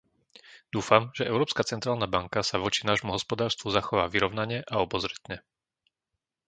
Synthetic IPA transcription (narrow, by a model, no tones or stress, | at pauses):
d̪̥uːfamʒ̥ɛʔɛʊɾɔːpskat͡sɛnt̪ɾaːlnabaŋkasaʋɔt͡ʃinaːʒmuɦɔspɔd̪aːɾst̪ʋuzaxɔʋaːʋiɾɔʊnaɲɛʔaɔbɔzɾɛt̪ɲɛ